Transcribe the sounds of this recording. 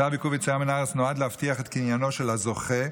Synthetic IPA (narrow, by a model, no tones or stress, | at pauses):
abikuvet͡sajamenaʁesnoadleaftiaχet̪kinjano̞ʃe̞lazo̞χe̞